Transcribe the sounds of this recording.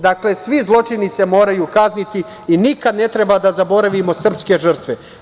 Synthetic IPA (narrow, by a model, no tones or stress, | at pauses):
d̪akle̞sʋizlˠo̞t͡ʂinise̞mo̞ːɾajuːkaznit̪i | inikad̪ne̞t̪ɾe̞bad̪azabo̞ɾaʋimo̞sr̩pske̞ʒr̩t̪ʋe